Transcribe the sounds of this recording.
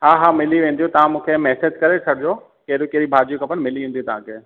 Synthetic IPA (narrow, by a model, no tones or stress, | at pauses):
ɦaːɦaːmɪliʋẽːnd̪iũt̪ɐʋãmũːkʰemɛːsed͡ʑkɐɾet͡ɕʰɐɽɪd͡ʑo | kɐɾokeɦɾibʱaːd͡ʑukʰɐ̃pɐñmɪliʋẽːnd̪iũt̪ɐʋ̤ãkʰe